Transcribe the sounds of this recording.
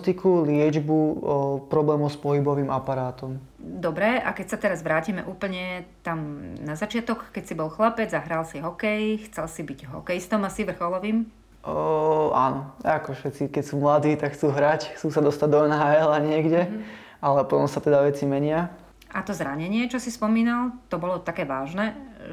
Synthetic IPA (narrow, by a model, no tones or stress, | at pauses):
t̪ikulɪɛd͡ʒbupɾɔblɛːmɔʊspɔɦibɔʋiːmʔapaɾaːt̪ɔm | d̪ɔbɾɛa̰kɛcsat̪ɛɾazʋɾaːcimɛ̰ʔuːpl̩ɲɛt̪amnazat͡ʃɪat̪ɔkːɛcsibɔlxlapɛd͡zzaɦɾalsiɦɔkɛjxt͡sɛlsibiɟɦɔ̰kɛjst̪ɔmasiʋr̩xɔlɔʋiːm | a̰nɔakɔfʃɛt͡sikɛcsuːmlad̪iːt̪akxt͡suːɦɾacxt͡suːsad̪ɔst̪aɟ̚d̪ɔɛnɦaːɛlaɲɪɛɡɟɛ | alɛpɔt̪ɔmsat̪ɛd̪aʋɛt͡simɛɲɪa | ʔat̪ɔzɾaɲɛɲɪɛt͡ʃɔsispɔmiːnalˠt̪ɔbɔlɔt̪akɛːʋaːʒnɛ